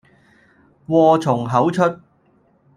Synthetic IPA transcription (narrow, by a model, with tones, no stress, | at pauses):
wɔː˧t͡sʰʊ˨˩ŋɦɐ˨˥wt͡ʃʰɵ˥t̚